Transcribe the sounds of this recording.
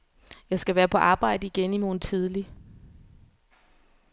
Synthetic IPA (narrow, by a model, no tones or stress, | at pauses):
jɑ̈ɪsɡ̥æʋæːɐpʰɒ̽ʔɑ̈ːb̥ɑ̈ɪ̰d̥əiɡ̥enimo̝ːn̩t͡sʰið̞ˠli